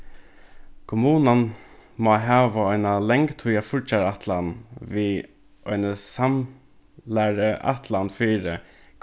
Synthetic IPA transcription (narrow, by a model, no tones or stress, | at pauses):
kʰʊmuːnanmɔːɦæːʋəɔɪnalɛŋɡt̪ʰuʏafʊɹt͡ʃaɾat̪ʰlanʋiː | ʔɔɪnəsam | læɹəʔa̰t̪ʰlanfiːɾə